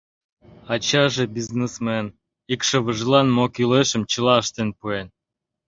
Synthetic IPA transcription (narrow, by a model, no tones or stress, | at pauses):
ɑt͡ɕɑʒebiznesmen | ikʃə̆βəʒlɑnmokileʃə̆mt͡ɕəlɑəʃt̪enpuen